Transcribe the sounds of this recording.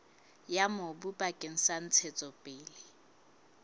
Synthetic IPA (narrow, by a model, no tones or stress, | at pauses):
jamobupʼakʼeŋ̩san̩t͡sʰɛt͡sʼɔpʼeːlɪ